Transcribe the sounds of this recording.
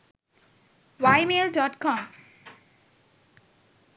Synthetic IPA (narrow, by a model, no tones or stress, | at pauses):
ʋaɪmeːlɖɔːʈkɔ̃ːm